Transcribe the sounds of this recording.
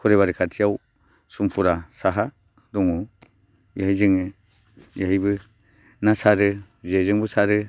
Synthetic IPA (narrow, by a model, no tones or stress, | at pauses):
kʰɔɾeβaɾikʰatʰijaw | sumpʰuɾasaɦa | dɔŋu | jaɦizɯŋɯ | jaɦijbɯ | nasaɾɯ | ziajzɯŋbɯsaɾɯ